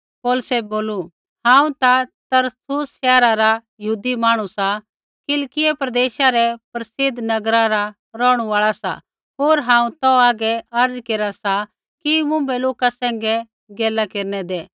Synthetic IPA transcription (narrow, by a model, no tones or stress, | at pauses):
poːlsɛboːlu | hãːũt̪at̪ɐɾtʊsʃɛːɾaɾajɐɦuːd̪imaːɽ̃usa | kɪlkɪjɛpɾɐd̪eːʃaɾɛpɾɐsɪd̪nɐɡɾãɾa | ɾɔːɽ̃uaːɭasa̰ | ɦoːɾɦãːũt̪ɔaːɡɛɐɾd͡zkeːɾasa | kimʊ̃mbɛloːkasɛ̃ːŋɡɛ | ɡeːlakeːɾnɛd̪eː